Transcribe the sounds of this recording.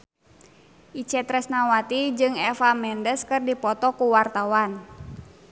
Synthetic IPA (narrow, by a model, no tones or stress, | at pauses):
ʔit͡ʃɛt̪ɾɛsnawat̪id͡ʒɨŋɛfamɛndəskɨrdipɔt̪ɔkuwart̪awan